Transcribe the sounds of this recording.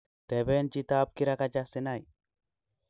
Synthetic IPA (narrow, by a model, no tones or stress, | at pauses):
t̪ebent͡ʃit̪aːb̚kiɾakad͡ʒasinaj